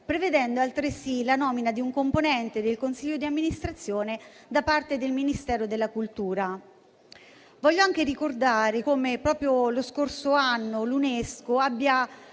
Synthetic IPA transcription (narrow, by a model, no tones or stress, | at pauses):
pɾeved̪ɛnd̪oalt̪ɾesilanɔːminad̪iuŋkomponɛnt̪ed̪elkonsiʎːod̪iamːinist̪ɾat̪sːjoːned̪apart̪ed̪elminist̪ɛːɾod̪elːakult̪uːɾa | vɔʎːoaŋk̟eɾikord̪aːɾekomepɾɔːpɾjoloskorsoanːoluneskoabːja